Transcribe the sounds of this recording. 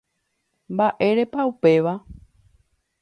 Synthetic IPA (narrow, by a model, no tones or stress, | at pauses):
mbaʔeɾe̞paupe̞ʋa